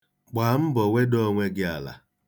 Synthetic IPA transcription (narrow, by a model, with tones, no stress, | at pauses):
ɡ͡ba˨m̩˦bɔ˨we˦do˦ŋʷe˦ɡɪ˦a˨la̰˨